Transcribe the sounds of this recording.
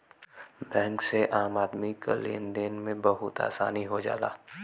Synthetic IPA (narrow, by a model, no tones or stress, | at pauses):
bɛ̃ːŋkseʔaːmaːd̪mika̰lḛːnd̪eːnmẽbɐɦʊt̪a̰ːsaːniɦod͡ʒa̰ːla̰ː